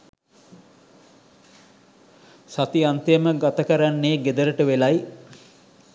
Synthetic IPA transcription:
sat̪iant̪əjəməɡat̪əkəɾanːeːɡed̪əɾəʈəʋelaj

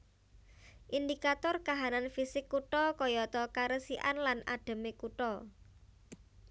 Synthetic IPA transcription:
ʔind̪ikat̪ɔrkaɦananfisɪkːuʈɔkɔjɔt̪ɔkaɾəsiʔanlana̰ɖ̥ə̤mekuʈɔ

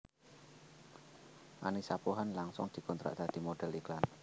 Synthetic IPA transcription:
ʔanisapuɦanlaŋsʊ̰ŋd̪̥i̤kɔnt̪ɾa̰ʔd̪̥a̤d̪̥i̤moɖ̥ɛliklan

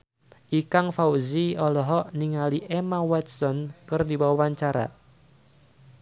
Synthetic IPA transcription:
ʔikaŋfauziɔlɔɦɔʔniŋaliʔemawɛt̪̚sɔnkɨrdiwawaɲt͡ʃaɾa̰

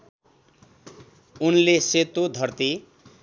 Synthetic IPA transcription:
unleset̪od̪ʱʌrt̪i

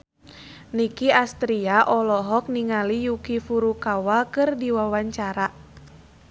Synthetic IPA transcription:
nikiast̪ɾiaʔɔlɔɦɔk̚niŋalijukifuɾukawakɨrdiwawaɲt͡ʃaɾa

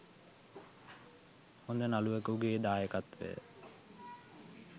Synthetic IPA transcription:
hond̪ənaluekəuɡeːd̪aːjəkat̪ʋḛ

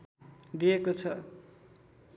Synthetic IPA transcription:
d̪ijekot͡sʰʌ

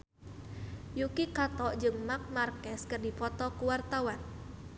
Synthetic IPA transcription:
jukikat̪ɔʔd͡ʒɨŋmak̚markɛskərdipɔt̪ɔkuwart̪awan

